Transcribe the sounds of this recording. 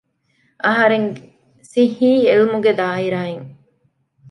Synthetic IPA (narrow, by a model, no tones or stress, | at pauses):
ʔɐɦɐɾeŋ | sihiːelumuɡed̪aːiɾaːeŋ